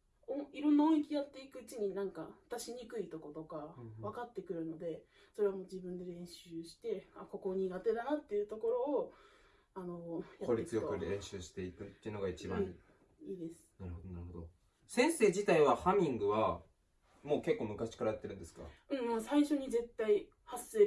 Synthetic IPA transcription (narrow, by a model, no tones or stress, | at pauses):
õiɾõ̞nːaõ̞ik̬ʲijat̪ːe̞ikɯ̟ːt͡ɕiɲ̟inãŋkaat̪aɕiɲ̟ikɯ̟it̪o̞ko̞t̪o̞kaβ̞akat̪ːe̞kɯ̟ɾɯ̟no̞d̪e̞ | so̞ɾe̞βamo̞ːd͡ʑibɯ̟̃nd̪e̞ɾẽ̞ɰ̃ɕɨːɕi̥t̪e̞ako̞ko̞ɲ̟iɡat̪e̞d̪anat̪ːe̞jɯ̟t̪o̞ko̞ɾo̞ː | ano̞jatkoɾʲiet͡sɨjokɯẽɰ̃ɕɨːɕi̥t̪e̞ikɯ̟t̪ːeiɯ̟no̞ɡait͡ɕibã | iːd̪e̞sɨ̥naɾɯ̟hod̪onaɾɯ̟ɦod̪o̞ | sẽ̞ɰ̃se̞ːd͡ʑit̪aiβahamʲĩŋɡɯ̟βa | mo̞ːke̞kːo̞ːmɯ̟kaɕi̥kaɾajat̪ːeɾɯ̟̃nd̪e̞sɨ̥ka̰ɯ̟̃mːsaiɕo̞ɲ̟ize̞t̪ːai | hasɨeː